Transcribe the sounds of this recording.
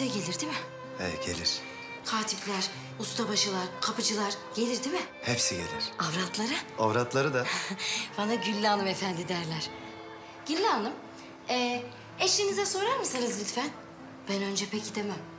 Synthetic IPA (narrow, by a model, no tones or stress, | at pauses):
ɛɟe̞lʲiɾd̪imɪ | ɛ̰ɟe̞̰lʲiɾ̥ | kʰaːt̪ʰiplʲæɾ̥ | ust̪ʰabaʃɯlˠaɾkʰapʰɯd͡ʒɯlˠaɾɟ̥e̞lʲiɾd̪imɪ | hepsiɟḛlʲiɾ̥avɾat̪ʰlˠaɾɯavɾat̪lˠaɾɯd̪ab̥anaɟylʲːanˠɯmefænd̪id̪æɾlʲæɾ̥ | ɟ̥ylʲːaalˠɯm | ɛ | ɛʃlinizɛso̞ɾaɾmɯsanɯzlʲyt̪fæn | b̥ænø̞nd͡ʒɛpʰecʰid̪emæm